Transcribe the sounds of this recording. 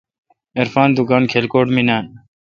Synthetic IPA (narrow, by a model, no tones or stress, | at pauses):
eɾfaːnd̪uɡaːnkʰelkoːʈminaːn